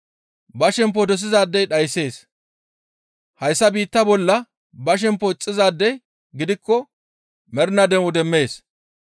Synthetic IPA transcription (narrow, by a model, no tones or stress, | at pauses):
bɐʃɛmp̬ːɔd̪ɔs̬ɪzaːd̪ːɛjɗɐjse̞ːs | hɐjsːɐbiːt̪ːɐbɔlːɐ | bɐʃ̬ɛmpːɔɪt͡sʼːɪzaːd̪ːɛj | ɡɪd̪ɪkːɔ | mɛɾnɐd̪ɛʊd̪ɛmːe̞ːs